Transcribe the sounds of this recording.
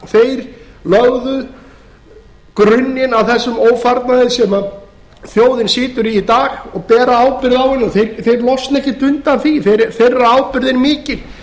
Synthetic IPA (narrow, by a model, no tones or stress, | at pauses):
θejɾ̥lœɣðʏ | kɾʏnːjɪnawθɛsːʏmoːwfaɾt̪naðɪsɛma | θjoːwðɪnsɪːt̪ʏɾiit̪aːɣɔɣpɛːɾaaːwpɪɾðawhɪnːʏmθejɾθejɾlɔsnɛhcɪt̪ʰʏnt̪anθiθejɾθejrːaaːwpɪɾðɪnmɪːcɪl̥